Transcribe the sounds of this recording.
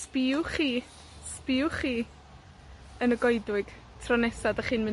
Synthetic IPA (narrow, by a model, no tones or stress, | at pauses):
spiʊχiː | spɪʊχiː | ənəɡɔjdwɪɡ̥ | tʰrɔnɛsadəχɨːnmɨ